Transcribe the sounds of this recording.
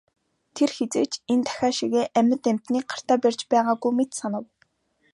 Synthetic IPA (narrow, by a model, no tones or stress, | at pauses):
t̪ʰerxet͡seːkt͡ɕent̪ʰæ̥xʲaːʃiɣeːʔæmʲə̆t̪æm̥t̪niːk̚ɢḁr̥t̪aːpærʲt͡ɕpæːʁaːɡujmet̪sanə̆w